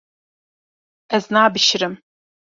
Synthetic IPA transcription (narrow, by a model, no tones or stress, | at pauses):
aznaːbʃrɨm